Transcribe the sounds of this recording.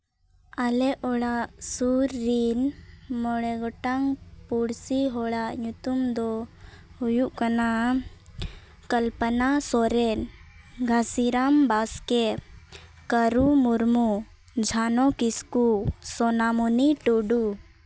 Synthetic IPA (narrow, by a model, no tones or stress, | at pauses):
alɛʔɔɭaʔsuɾːinmɔɽɛɡɔʈaŋpuɽsiɦɔɭaʔɲut̪umd̪ɔ | hujuʔkana | kəlpənasɔɾɛnɡʱasiɾambaskɛ | kəɾumuɾmu | d͡ʒʱanɔkiskusɔnamuniʈoɖu